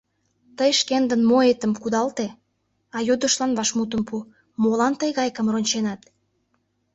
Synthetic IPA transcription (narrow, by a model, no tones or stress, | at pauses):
t̪əjʃkend̪ənmoet̪əmkud̪ɑlt̪e | ɑjud̪ə̆ʃlɑnβɑʃmut̪̬əmpu | molɑnt̪əjɣɑjkəmronʲt͡ɕenɑt̪